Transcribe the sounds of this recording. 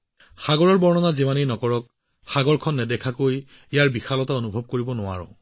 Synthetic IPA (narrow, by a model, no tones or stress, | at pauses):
xaɡɔɹɔɹbɔɹnɔnazimanejnɔkɔɹɔk̚ | xaɡɔɹkʰɔnːɛdɛkʰakoj | ejaɹbixalɔtaonubʱɔb̚koɹibɔnʊwa̰ɹʊ̰̃